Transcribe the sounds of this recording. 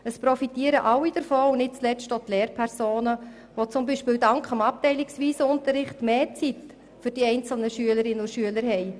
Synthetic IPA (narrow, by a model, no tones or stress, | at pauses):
əspɾɔfitiːəɾəʔɑwid̥əɾfoːunɪt̚t͡slɛt͡stɔt̪lɛːɾpʰɛɾsoːnə | ʋot͡sʊmbiːʃpɪːwdɑŋkχəmɑp̚tɛɪlɪksʋiːsəʊntəɾɪχtmeːt͡sit | fʏɾd̥iɛɪnt͡sl̩nəʃyələɾɪnːəʊʃyələɾhɛɪ